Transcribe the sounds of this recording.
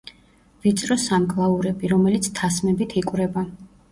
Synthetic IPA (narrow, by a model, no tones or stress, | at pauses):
vit̪sʼɾɔsamkʼlˠauɾɛbiɾɔmɛlit̪sʰt̪ʰasmɛbit̪ʰikʼwɾɛba